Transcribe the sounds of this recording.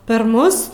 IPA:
pʲɛr ˈmʊs

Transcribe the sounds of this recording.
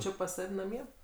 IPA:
ˈt͡ʃʲɪ pɐs ˈsɐw nɐˈmʲiɛ

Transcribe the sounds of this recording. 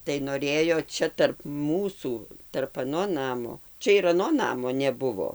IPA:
tɐɪ noːˈrʲeːjoː ˈt͡ʃʲɛ tɐrp ˈmuːsuː tɐrp ɐˈnoː ˈnɑːmoː ˈt͡ʃʲɛ ɪr ɐˈnoː ˈnɑːmoː nʲɛˈbʊʋoː

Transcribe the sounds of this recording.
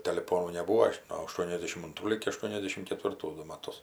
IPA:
tʲɛlʲɪˈpoːnuː nʲɛˈbuːoː noː ɐˈʃtuɔnʲɛzʲdʲɛʃʲɪm ɐnˈtruː lʲɪɡʲɪ ɐˈʃtuɔnʲɛzʲdʲɛʃʲɪm kʲɛtʲʋʲɪrˈtuː ˈdʊ mɐˈtʊs

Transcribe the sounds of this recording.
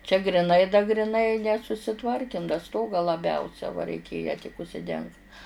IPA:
t͡ʃʲɛ ɡrʲɪˈnɐɪ dɐ ɡrʲɪˈnɐɪ nʲɛsʊsʲɪˈtʋɐrʲkʲɪm dɐ ˈstoːɡɑː lˠɐˈbʲɛʊsʲɛ ʋɐ rʲɛɪˈkʲeːjɛ tʲɪk ʊʃʲsʲɪˈdʲɛŋkt

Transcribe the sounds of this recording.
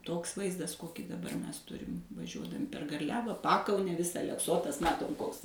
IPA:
ˈtoːks ˈʋɐɪzdɐs ˈkoːkʲiː dɐˈbɐr ˈmʲɛs ˈtʊrʲɪm ʋɐˈʒʲuɔdɐmʲɪ pʲɛr ɡɐrʲˈlʲæːʋɐ ˈpɑːkɐʊnʲɛ ˈʋʲɪsɐ ɐlʲɛkˈsoːtɐs ˈmɑːtoːm ˈkoːks

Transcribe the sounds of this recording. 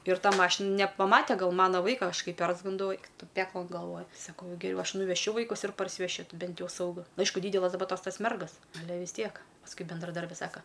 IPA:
ɪr ˈtɐ ˈmɑːʃʲɪn nʲɛpɐˈmɑːtʲɛ ˈɡɐlˠ ˈmɑːnɐ ˈʋɐɪkɐ ˈɐʃ ˈkɐɪ ˈpʲɛrzɡɐndɐʊ ˈɛɪk ˈtʊ ˈpʲæːklˠɐn ɡɐlˠˈʋoːj sɐˈkɐʊ ɡʲɛˈrʲɛʊ ˈɐʃ nʊʋʲɛˈʃʲʊ ˈʋɐɪkʊs ɪr pɐrʲsʲɪʋʲɛˈʃʲʊ ˈtʲɪ ˈbʲɛnt ˈjɛʊ sɐʊˈɡʊ nʊ ˈɐɪʃkʊ ˈdʲiːdʲɛlˠɐs dɐˈbɐ ˈtoːs ˈtɐs ˈmʲɛrɡɐs ɐˈlʲɛ ʋʲɪs ˈtʲiɛk pɐsˈkʊɪ bʲɛndrɐˈdɐrʲbʲɪ ˈsɑːkɐ

